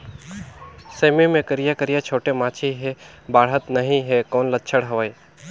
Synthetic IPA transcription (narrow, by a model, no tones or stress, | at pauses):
seːmimẽkəɾijakəɾijat͡ʃʰoːʈemaːt͡ʃʰiɦebaːɽɦət̪nəɦĩɦekɔːnlətːt͡ʃʰəɽɦɐʋəj